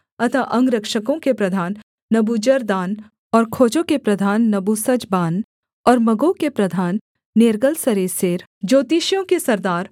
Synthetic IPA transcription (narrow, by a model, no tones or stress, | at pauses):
ɐt̪ʰaʔɐ̃ŋɡɾɐkʃəkõkepɾɐd̪ʱaːnː | ɐbud͡ʒəɾd̪aːn | ɔːɾkʰoːt͡ʃõkepɾɐd̪ʱaːnːɐbusɐd͡ʒbaːn | ɔːɾmɐɡokepɾɐd̪ʱaːnː | eɾɡəlsɐɾeːseːɾ | d͡ʒoːt̪iːʃjõkesɐɾd̪aːɾ